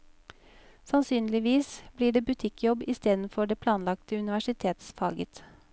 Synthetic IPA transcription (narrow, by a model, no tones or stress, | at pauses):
sɑnsyːnlɪʋiːsbliːɖeːbʉt̪ʰɪkʰjɔbiːst̪eːd̪n̩fɔɖeːpʰlɑːnlɑkt̪əʉnɪʋæʂɪt̪ʰeːt̪sfɑːɡət̪